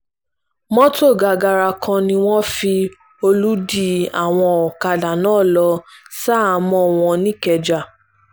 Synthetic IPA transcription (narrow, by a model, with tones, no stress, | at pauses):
mɔ̃˦to˦˨ɡa˧˨ɡa˧ɾa˧kʰã˧nĩ˧w̃ɔ̃˦fi˧ | o˧lu˦di˦˨a̰˦˨w̃ɔ̃˧ɔ˨ka˧da˨nãː˦˨lɔ˧sa˦˨˧mɔ̃˧˨w̃ɔ̃˧nĩ˦˨kɛ˧d͡ʒa˦˨